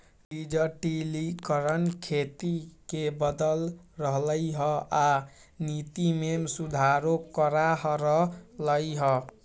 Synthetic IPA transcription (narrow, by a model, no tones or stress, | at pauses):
ɖid͡ʒəʈilikəɾənkʰet̪ikebəd̪əlɾəɦləjɦəanit̪imemsud̪ʱaɾokəɾaɦɾəɦləjɦə